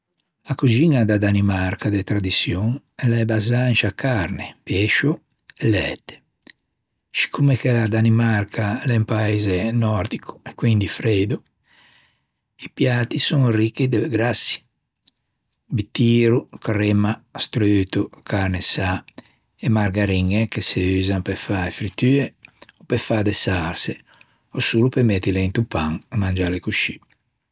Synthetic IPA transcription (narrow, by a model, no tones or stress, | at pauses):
lakud͡ʒinad̪ad̪animaɾkʰad̪ɛt̪ɾad̪isjoŋ | ɛlaɛbazant͡ʃakʰːaɾnepɛʃu | ɛlɛ̰ːt̪ːe̥ | si̥kʰːumekɛlad̪animarkʰalɛmpaeːzenɔɾd̪ikʰu̥ɛkːwind̪ifɾɛːd̪u | ipjaːt̪isɔnrikːid̪eɡɾasːi̥ | bit̪ːiːɾukrɛmast̪ɾøːt̪ukʰaɾnesa | ɛmaɾɡaɾiŋekeseyːzampɛfaefɾit̪yːeɔpɛfad̪ɛsaɾse | ɔsuːlupemɛt̪ːileint̪upːaŋmand͡ʒaːlekuʃi